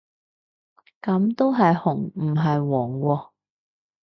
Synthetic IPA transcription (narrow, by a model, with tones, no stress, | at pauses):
kɐ˨˥mt̪o˥wɦɐ˨jhʊ˨˩ŋm̩˨˩ɦɐ˨jwɔː˨˩ŋwɔː˧